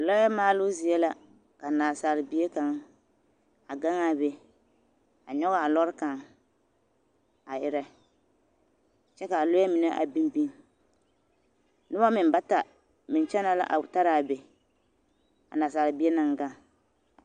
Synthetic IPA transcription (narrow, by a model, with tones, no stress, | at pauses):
lɔ˦a˦maː˦lʊ˦zi˨jɛ˦la˦ | ka˨naː˨saː˨lɪ˨bi˦e˦ka˨ŋ | a˨ɡa˦ŋa˦be˨ | a˨ɲɔ˦ɣa˦a˨lɔ˦ɾka˨ŋ | a˨ʔɪ˨ɾɛ˦ | t͡ʃɛ˦ka˨lo˦ɛ˦mɪ˨nɛ˦ʔa̰˨bi˦m˦bi˦ŋ | nɨ˦ba˦mɪ˨m˦ba˦ta˨ | mɪ˨n˨t͡ʃɛ˦na˦la̰˦ʔa̰˨ta˦ɾa˨be˨ | ka̰˨naː˨saː˨lɪ˨bi˦e˦na˨ŋɡa˦ŋ